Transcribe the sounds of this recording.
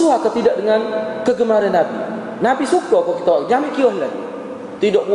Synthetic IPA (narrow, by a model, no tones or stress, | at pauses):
suakat̪idaʔ̚dəŋankəɡəmaɾanːabi | nabisukɔkɔkit̪ad͡ʒamiʔkiɔɦlaɡ | t̪idoʔbu